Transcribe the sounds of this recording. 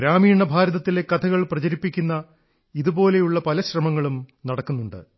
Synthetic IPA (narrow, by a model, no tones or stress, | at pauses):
ɡɾaːmiːɳːɐbʱaːɾɐðɐt̪ːile̞kːɐt̪ʰɐɣɐɭprɐt͡ɕɐɾipːikʲːunːɐ | iðubo̞ːle̞juɭːɐpɐlɐɕrɐmɐŋːɐɭumnɐɽɐkːunːuɳɖɨ̰